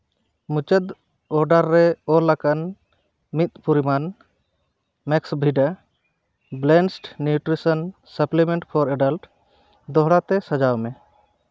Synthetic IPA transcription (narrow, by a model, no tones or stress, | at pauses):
mut͡ʃəd̪ | ɔɾɖəɾːɛɔɾlakan | mit̪̚puɾiman | mɛksbʱiɖa | blɛnsʈnjuʈɾisən | səplimẽɳʈpʰɔɾeɖəlʈ | d̪ɔɦɽat̪ɛsəd͡ʒawmɛ